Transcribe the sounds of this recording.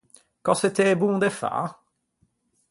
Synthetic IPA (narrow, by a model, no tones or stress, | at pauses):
kɔset̪ebũːd̪efa̰